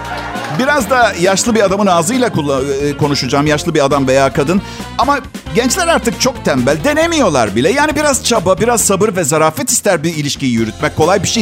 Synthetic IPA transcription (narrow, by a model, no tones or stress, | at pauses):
biɾazd̪ajaʃlˠɯbiad̪amɯnaːzɯjlˠakulˠːkʰo̞nuʃud͡ʒaːmjaʃlˠɯbiad̪amve̞jaːkʰad̪ɯn | ama | ɟɛnt͡ʃlʲæɾaɾt̪ɯk̚t͡ʃʰo̞kt̪ʰɛmbælʲd̪e̞nemijo̞lˠa̰ɾbilʲɛjaːnibiɾaz̥t͡ʃʰababiɾaz̥sabɯɾvɛzaɾaːfɛt̪i̥st̪ʰæɾbiilʲiʃcijijyɾyt̪mɛc̚kʰːo̞lˠajbiʃe